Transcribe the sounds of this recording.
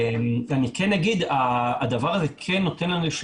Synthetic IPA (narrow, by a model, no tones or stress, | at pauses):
manikʰenːaɡid̪aːd̪avaʁazekʰenːo̞t̪enlanliʃ